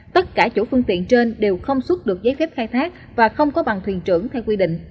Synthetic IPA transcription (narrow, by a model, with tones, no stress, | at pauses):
t̪ə˦˥t̚kaː˧˩t͡ɕṵ˧˥fɨ˧əŋt̪ḭ˧˨ənt͡ɕe˧nɗe˨˩wxə˧wŋ͡mswu˦˥t̚ɗɨ˨˩ək̚zəː˨˦jfɛː˦˥p̚xaː˧jt̪ʰaː˦˥k̚ | vaː˨˩xə˧wŋ͡mkɔ˨˦ɓa˨˩ŋt̪ʰwi˨˩ənt͡ɕɨ̰˧˩əŋt̪ʰɛ˧wkwi˧ɗḭ̈˧˨ŋ̟